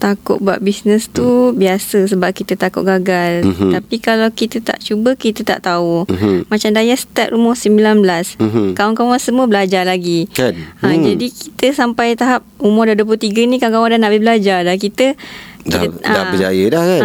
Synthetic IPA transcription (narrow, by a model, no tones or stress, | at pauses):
t̪akʊ̰ʔ̚bua̰ʔbisnəst̪ubiasəs̬əbap̚kit̪ət̪akʊʔ̚ɡaɡalapikalawkit̪ət̪a̰ʔt͡ʃubəkit̪ət̪a̰ʔt̪aumat͡ʃamdajasə̥t̪aʔ̪̚rumɔhsəmbilanblaskaaŋkawansəmuəbəlad͡ʒalaɡianad͡ʒadikʰi̥t̪əsampajt̪aɦap̚umɔdaduəput̪iɡənĩkãŋkawadanːaʔbɪhbəlad͡ʒadakit̪ədkia̰əd͡ʒa̰jədahka